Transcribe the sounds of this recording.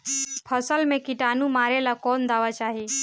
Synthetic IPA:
pʰəsəlmẽkɪʈaːnũmaːɾelakɔːnd̪aːʋat͡ʃaːɦi

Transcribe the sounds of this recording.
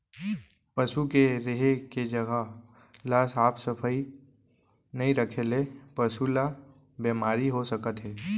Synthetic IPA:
pəʃukeɾeɦeked͡ʒəɡʱa | laːsaːpsəpʰəi | nɐɦĩɾəkʰelepəʃula | bemaːɾiɦosəkət̪ɦɛː

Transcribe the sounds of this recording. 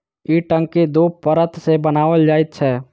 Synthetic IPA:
iːʈə̃ŋkid̪uːppəɾət̪ʰsebənaːʋəld͡ʒaːɪt̪̚t͡ʃʰɛː

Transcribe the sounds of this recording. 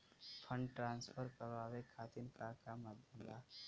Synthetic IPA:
pʰə̃ɳɖʈɾaːnspʰəɾkəɾʋaːʋekʰat̪inkakamad̪ʱjəmlaː

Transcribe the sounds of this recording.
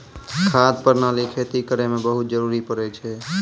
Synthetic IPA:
kʰad̪̚pəɾnalikʰet̪ikəɾemebəɦut̪̚d͡ʒəɾuɾipəɾɛt͡ʃʰɛ

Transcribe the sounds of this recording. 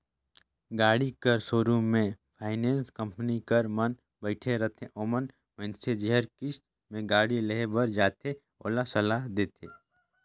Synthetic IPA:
ɡaːɽikəɾsoːɾũmẽpʰaːɪneːnskə̃mpənikəɾmən | bəɪʈʰeɾət̪ʰẽʔoːmən | mə̃ɪnsed͡ʒiɦəɾkɪs | mẽɡaːɽileɦbəɾd͡ʒaːt̪ʰe | o̰ːlasɐlaɦd̪eːt̪ʰḛː

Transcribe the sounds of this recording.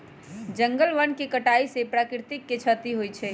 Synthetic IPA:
d͡ʒəŋɡəlʋənkekəʈaisepɾaːkɾt̪ɪkːet͡ʃʰət̪iɦojt͡ʃʰɛ

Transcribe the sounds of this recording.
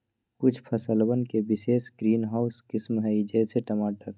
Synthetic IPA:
kʊt͡ʃʰpʰəsəlbənkebɪseːsɡɾiːnɦaːʊskɪsmɦɛid͡ʒɛseʈəmaːʈəɾ

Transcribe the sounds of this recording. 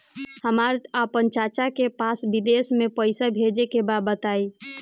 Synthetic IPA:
həmaɾapənt͡ʃat͡ʃakepasbid̪esmepəɪsabʱed͡ʒekebad̪bət̪ai

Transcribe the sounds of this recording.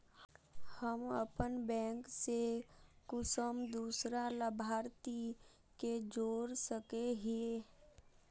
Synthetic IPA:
həmə̰pənbɛ̃ːŋksekʊsəmd̪uːsɾaləbʱaːɾt̪i | ked͡ʒoːɾsəkeɦe

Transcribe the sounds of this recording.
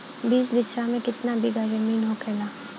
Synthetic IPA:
biːsbɪt͡ʃɾamẽkɪt̪nabʱiɡad͡ʒəmiːnɦokʰɛːlaː

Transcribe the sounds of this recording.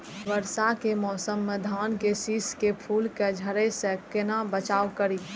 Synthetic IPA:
ʋəɾsakemɔːsəmːed̪ʱaːnkesiːskepʰuːlked͡ʒʱəɾesẽkɪnabət͡ʃaːʋkəɾi

